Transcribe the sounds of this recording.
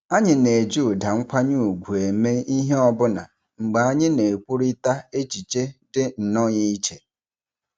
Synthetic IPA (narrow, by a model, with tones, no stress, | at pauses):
a˦ɲɪ˨ne˨e˨d͡ʒi˦ʊ˨da˨ŋ͡m̩˦kʷa˦ɲu˦˨u˨ɡʷu˨e˨me˦i˦ɦe˦ɔ˦bʊ˦na̰˨ | ŋ͡m̩˨ɡ͡ba˨a˦ɲɪ˦ne˨e˨kʷu˦ɾi˦ta˦e˦t͡ʃi˨t͡ʃe˦dɪ˦n̩˨nɔ˦ɲi˦i˦t͡ʃe˨